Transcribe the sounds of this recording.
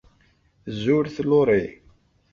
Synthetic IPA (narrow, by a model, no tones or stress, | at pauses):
zːʊɾθlːoɾˤi